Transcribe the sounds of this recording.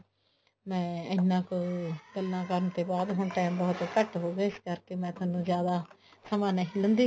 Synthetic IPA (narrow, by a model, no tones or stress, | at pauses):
mɛ̃ːənːãːkɡəlnãːkəɾənt̪eːbaːd̪ɦʊɳʈɛːmbɔːt̪kəʈɦoːɡeːɪskəɾkeːmɛ̃ːt̪ʊaːnũːzjaːd̪aː | səmãːneɦilə̃nd̪iː